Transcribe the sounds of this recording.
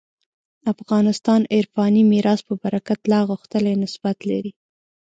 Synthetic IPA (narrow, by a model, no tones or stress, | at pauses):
afɣɑnɪst̪ɑnɪɾfɑnimiɾɑspəbaɾakat̪lɑɣʊxt̪əlanɪsb̥at̪laɾi